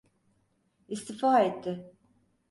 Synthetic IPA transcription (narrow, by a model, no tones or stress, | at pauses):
ist̪ifaːɛt̪ʰːɪ